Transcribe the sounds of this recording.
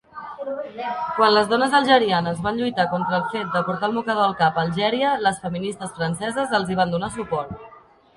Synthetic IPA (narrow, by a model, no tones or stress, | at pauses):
kwanləzðɔnəzəlˠʒəɾianəzβanʎujt̪akɔnt̪ɾəlˠfet̪̚d̪əpuɾt̪aəlˠβukəð̞oəlˠkapəlˠʒɛɾiələsfəminist̪əsfɾənsɛzəzəlˠziβ̞and̪unasupɔɾt̪̚